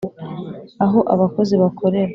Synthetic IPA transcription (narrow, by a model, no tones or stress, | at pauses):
aɦo̞ʔaβako̞ziβakʰo̞ɾe̞ɾ